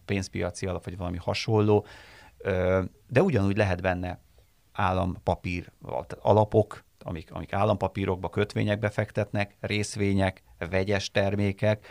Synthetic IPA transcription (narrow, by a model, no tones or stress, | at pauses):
peːnspijɒt̪siɒlɒpʋɒɟʋɒlɒmihɒʃo̞lːoː | ø | d̪ɛuɟɒnuːɟʲlɛɦɛt̪bɛnːɛ | aːlːɒmpɒpiːrɒ̰ɒ̰lɒpo̞k | ɒ̰mikɒ̰mikaːlːɒmpɒpiːɾʔo̞ɡ̚bɒkø̞t̪ʋḛːɲɛɡ̚bɛfɛkt̪ɛt̪nɛkreːsʋeːɲɛk | vɛɟɛʃt̪ɛrmeːkɛk